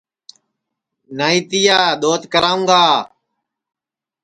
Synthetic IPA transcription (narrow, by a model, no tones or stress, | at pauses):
naːĩːt̪ijaːɗ̪oːt̪kəɾaːũːɡaː